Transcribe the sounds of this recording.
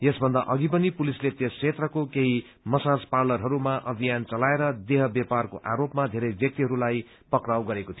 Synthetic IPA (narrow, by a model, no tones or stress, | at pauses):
jesbʱʌnd̪aʔʌɡip̬ʌnipulislet̪eskːʰet̪rʌkokeɦi | mʌsad͡zparlʌrɦʌɾumaʔʌbʱijant͡sʌlaeɾʌd̪eɦʌbjaparkoʔa̰ɾopmad̪ʱeɾʌjbjʌk̚t̪iɦʌɾulaj | pʌkrawɡʌɾekot̪ʰijo